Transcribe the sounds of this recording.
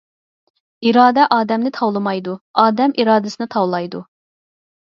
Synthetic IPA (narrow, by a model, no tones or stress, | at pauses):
iɾɑːd̪ɛʔɑːd̪ɛmnɪt̪ʰɑwlˠɨmɑjd̪uɑːd̪ɛmʔiɾɑːd̪ɨsɨnɨt̪ʰɑwlˠɑjd̪u